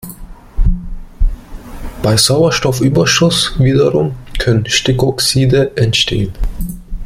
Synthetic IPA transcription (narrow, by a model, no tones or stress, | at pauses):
b̥aɪzaʊɐʃtɔfʔyːbɐʃʊsviːdɐʁʊmkʰœnənʃtɪkɔksiːdəʔɛntʃtʰḛːən